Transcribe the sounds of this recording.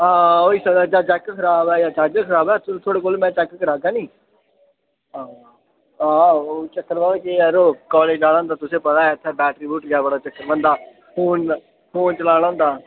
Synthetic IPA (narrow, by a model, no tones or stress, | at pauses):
aːoːiːsəd̪ad͡ʒaːt͡ʃɛːkkʰəɾaːbɛːjaːt͡ʃad͡ʒəkʰəɾaːbɛːt̪ʊt̪ʰoːɽeːkoːlmɛ̃ːt͡ʃɛkːəɾaːɡaːniː | aː | aːot͡ʃəkːəɾʋaːkeɛɾoːkɔːleːd͡ʒaːɽ̃ãːnd̪aːt̪ʊsẽːpət̪aːɛɪt̪ʰːeːbɛːʈɾiːbuːʈɡɪaːbəɽaːt͡ʃəkːəɾʋə̃nd̪aː | pʰoːn | pʰoːnt͡ʃəlaːɽ̃ãːnd̪aː